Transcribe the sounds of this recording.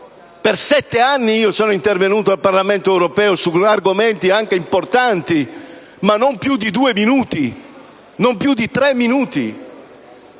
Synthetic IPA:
persɛt̪ːeanːiiːosoːnoint̪ervenuːt̪oalparlament̪oɛwɾopɛːosuarɡoment̪iaŋkeimport̪ant̪i | manːompjud̪ːid̪uːeminuːt̪i | nompjud̪ːit̪ɾɛmːinuːt̪ḭ

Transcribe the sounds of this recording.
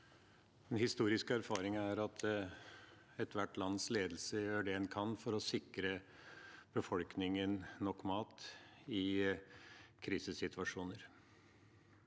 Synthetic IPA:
d̪̥ɛnhɪst̪uːɾɪskəæɾfɑːɾɪŋəæɾɑt̪ʰ | ɛt̪ʋæʈːlɑnːsleːd̪l̩səjøːɖɛɛnkʰɑnfɔɾɔsɪkɾə | b̥əfɔlknɪŋənnɔkːmɑːt̪ɪ | kʰɾiːsəsɪt̪ʰʋɑʂuːnəɾ

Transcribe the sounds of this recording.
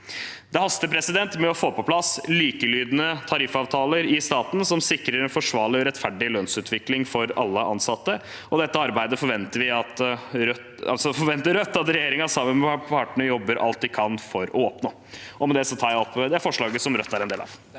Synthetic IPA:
d̪ɛhɑst̪əpʰɾɛsɪd̪ɛnt̪mɛɔfoːpʰɔpʰlɑsliːkəlyːd̪ənət̪ʰɑɾɪfɑːʋt̪ʰɑːləɾɪst̪ɑːt̪n̩sɔmsɪkɾəɾɛnfɔʂʋɑːlɪɾɛt̪fæɖɪlœnsʉːt̪ʰʋɪklɪŋfɔɾɑ̰lːəʔɑ̰nsɑt̪ːə | ɔd̪ɛt̪ːəɑɾbæɪd̪əfɔɾʋɛnt̪əɾʋɪɑt̪ɾœ | ɑ̰lsɔfɔɾʋɛnt̪əɾœt̪ːɑt̪ɾɛjeːɾɪŋɑsɑmːənmɛpʰɑːʈəɳəjɔbːəɾʔɑ̰lt̪̚d̪ɪkʰɑnfɔɾɔoːpnoː | ʔɔmɛd̪ɛsɔt̪ʰɑːɾjæɔpːd̪ɛæɾfɔʂɭɑːɡəsɔmɾœt̪ːæɾɛnd̪eːlɑ̰ʋ

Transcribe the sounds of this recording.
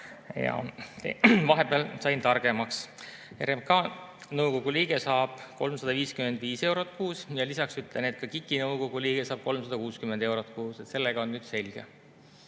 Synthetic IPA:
jɑ̰t̪evɑɦebeɑlsɑjnt̪ɑrɡ̥e̞mɑks | eɾemkɑːnɤwko̞ɡ̥uliːɡ̥esɑːb̥ko̞lmsɑd̪ɑviːskymend̪viːse̞wɾot̪̚ːˑkuːsjɑlisɑksyt̪lenet̪̚kɑkikːˑinɤwkoɡ̥uliːɡ̥esɑːb̥̚ko̞lmsɑd̪ɑkuːskymend̪̥e̞wɾot̪ːˑkuːset̪se̞lːeɡ̥ɑo̞nnyːd̪̥se̞lʲɡ̥ḛ

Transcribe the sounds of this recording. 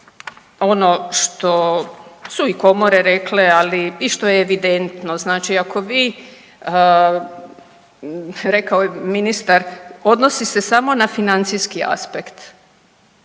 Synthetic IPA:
o̞no̞ʃt̪o̞suiko̞mo̞ɾeɾe̞klealiiʃt̪o̞jeːʋid̪ent̪no̞znaːt͡ʃiako̞ʋiː | ə | ɾe̞kaojeminist̪aɾo̞d̪nosise̞samo̞nafinant̪sijskia̰spekt̪

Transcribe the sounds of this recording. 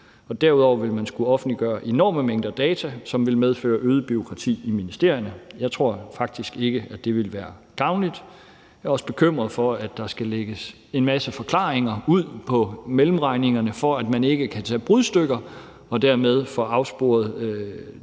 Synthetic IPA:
ɒ̽d̥æɐuð̞̰ˠɒʊʋe̝lmænsɡ̥uɒ̽fn̩dliɡ̥ɶːɐʔe̝nɒ̰ːməmeŋ̰d̥ɐd̥ɛːt͡sʰæsɒ̽mʋe̝lmeð̞ˠfø̰ːɐʔøːð̞ˠəb̥yo̝kʰʁɑ̈t͡sʰḭːiminisd̥e̝ɐ̰jɐnəjɑ̈ɪt͡sʰʁo̝ɐ̰fɑ̈ɡ̥̚d̥isɡ̥e̝ɡ̥əæ̥e̝ʋe̝lʋæːɐɡ̥ɑ̈ʊnlid̥ | jɑɒ̽sə̥b̥e̝kʰøm̰ʁɐðˠfɒ̽æd̥ːɑ̈sɡ̥æleɡ̥əs | e̝nmæsəfɒ̽kʰlɑ̰̈ːeŋɐuð̞̰ˠpʰɒ̽melm̩ʁɑ̈ɪne̝ŋɐnəfɒ̽æd̥mæne̝ɡ̥əkʰæt͡sʰɛ̰ːb̥ʁuðˠsd̥øɡ̥ɐ | ɒ̽d̥æɐmeð̞ˠfɒ̽ɑ̈ʊsb̥o̝̰ːɐð̩ˠ

